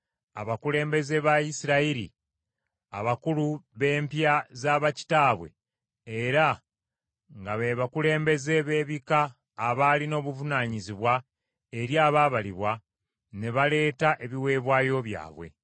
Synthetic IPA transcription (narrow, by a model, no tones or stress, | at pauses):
aβakule̞ːmbe̞ze̞βajisiɾaiɾḭ | aβakuluβe̞ːmpjazaβaci̥taːβwe̞̰ | eɾa | ŋɡaβeβakule̞ːmbe̞ze̞βe̞ːβikaː | βalino̞ːβuvunaːɲiziβwa | eɾjaːβaːβaliβwa | ne̞βale̞ːtaʔe̞βiwe̞ːβwaːjo̞βja̰ːβwe̞̰